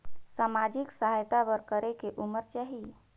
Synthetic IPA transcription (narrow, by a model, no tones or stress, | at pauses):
samad͡ʒiksəɦajt̪abəɾkəɾekeʔuməɾt͡ʃaːɦi